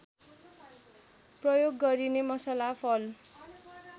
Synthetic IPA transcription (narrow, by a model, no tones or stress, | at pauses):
prʌjoɡːʌɾinemʌsalapʰʌl